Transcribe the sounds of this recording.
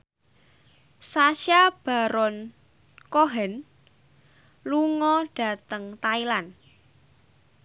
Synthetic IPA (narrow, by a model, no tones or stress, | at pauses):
saʃjab̥a̤ɾɔn | koɦɛn | luŋɔɖ̥a̤t̪əŋt̪ailan